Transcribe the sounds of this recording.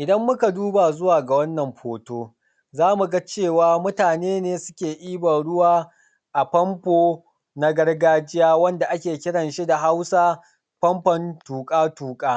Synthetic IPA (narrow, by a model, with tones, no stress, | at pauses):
ʔɪ˨dɐ˦mːʊ˦ka˨duː˦ba˨zʊ˦waː˨ɡa˨wɐ˦nːɐ˨mɸʰoː˨toː˦ | zaː˦mu˨ɡa˦t͡ʃeː˦˨waː˦mʊ˦taː˨neː˦neː˦sʊ˦kʲeː˨ʔiː˦bɐ˨ɽʊ˦waː˦˨ | ʔa˨pɐ˦mpoː˦ | na˦ɡɐ˦rɡaː˦d͡ʒɪ˦jaː˦wɐ˦nda˨ʔa˦kʲeː˨kʲɪ˦ɽɐ˨nʃi˦da˨ɦa˦wsaː˦ | ɸɐ˦mɸɐ˨ntuː˨kʼaː˦tuː˨kʼaː˦